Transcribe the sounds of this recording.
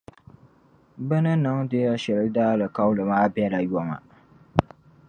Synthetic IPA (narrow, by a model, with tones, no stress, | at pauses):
bɨ˦nɨ˦nɨ˨ŋde˦ja˦ʃɛ˨lɨ˦daː˦lɨ˨ka˦wlɨ˨maː˦bɛ˦la˨jɔ˨ma̰˨